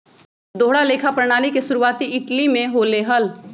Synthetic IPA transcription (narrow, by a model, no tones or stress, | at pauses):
d̪oːɽaleːkʰapɾəɽ̃aːlikesʊɾuaːt̪iɪʈlimẽɦoleːɦəl